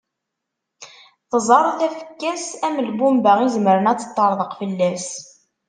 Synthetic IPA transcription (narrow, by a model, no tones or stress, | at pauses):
θəzˤɑɾˤθæfə̥kːæsæməlbumbæʁizməɾənæt͡sːə̥t̪ˤːɑɾˤðˤəqfəlːæs